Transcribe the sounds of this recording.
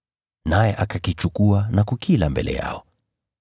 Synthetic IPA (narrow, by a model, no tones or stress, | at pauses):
najɛʔakakit͡ʃukuanakukʰilambɛ̰lʔɛ̰ja̰ɔ